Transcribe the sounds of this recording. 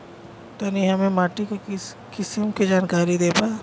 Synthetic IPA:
t̪aniɦɐmẽmaːʈika | kɪsimkid͡ʒaːnkaːɾid̪eːpaː

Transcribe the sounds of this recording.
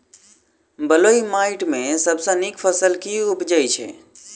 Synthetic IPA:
bəloimaɪʈmẽsəbsə̃nikpʰəsəlkiupd͡ʒəjt͡ʃʰɛ̰

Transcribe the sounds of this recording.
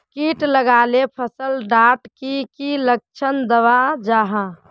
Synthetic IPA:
kiʈləɡalepʰəsəlɖaːʈkikilək̚t͡ʃʰənd̪əʋad͡ʒaːɦã

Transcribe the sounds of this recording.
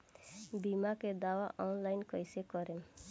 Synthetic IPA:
bimaked̪awaʔɔnlajnkɔjsekɔɾe

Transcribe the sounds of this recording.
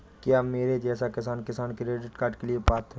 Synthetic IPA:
kjameːɾed͡ʒɛːsakɪsaːnkɪsaːnkiɾeːɖɪʈkaːɾɖkeliepaːt̪ʰː

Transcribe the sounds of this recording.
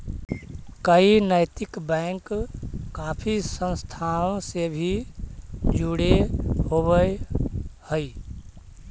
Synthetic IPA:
kəinəɪt̪ɪkbɛːŋkː | aːpʰisə̃nst̪ʰaːõsebʱi | d͡ʒuɽehoːbə | həi

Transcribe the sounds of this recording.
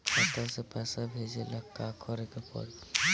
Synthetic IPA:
kɔt̪asepɛːsabʱed͡ʒelakakʰɔɾekepɔ̰ɾ

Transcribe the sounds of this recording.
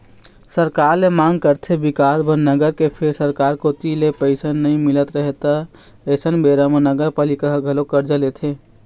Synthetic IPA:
səɾkaɾlemaŋɡkəɾt̪ʰebikasbʱənnəɡəɾkepʰeɾsəɾkaɾkot̪ilepəɪsənnəĩmilət̪ɾəɦet̪a | əsənbeɾamenəɡəɾpalikaɦɡʱəlokəɾd͡ʒəlet̪ʰe

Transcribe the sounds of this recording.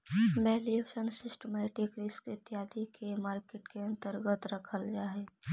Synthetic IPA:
bɛːlijoʃənsɪsʈəmeʈɪkɾɪskɪt̪ɪjaːd̪ikʰemaːɾkeːʈkeɐ̃nt̪əɾɡət̪ɾɐkʰəld͡ʒaːɦeː

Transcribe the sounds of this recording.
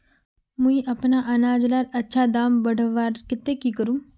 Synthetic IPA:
mʊ̃ĩʔɐpnaʔɐnaːd͡ʒlaɾɐtːʃʰaːd̪aːmbəɽəʋaːɾkɪt̪ːekiːkəɾũː

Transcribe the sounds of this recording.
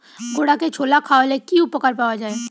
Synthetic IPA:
ɡoːɽaket͡ʃʰolakʰaolekiupəkəɾpawad͡ʒaːe

